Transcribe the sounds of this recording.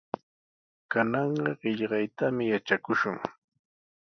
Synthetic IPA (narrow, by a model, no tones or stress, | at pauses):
kanɑɴɢɑɢɪʎɢɑjt̪amɪjat͡ʃakʊʃʊŋ